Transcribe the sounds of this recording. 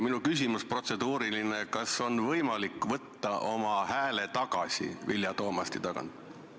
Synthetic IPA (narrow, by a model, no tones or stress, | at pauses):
minukys̬ʲimuspro̞t̪se̞d̪uːɾilinekɑso̞nvɤjmɑlikːˑvɤt̪ːɑʔo̞mɑhæːle̞t̪ɑɡ̥ɑsʲḭviljɑt̪o̞ːmɑst̪it̪ɑɡ̥ɑ̰nt̪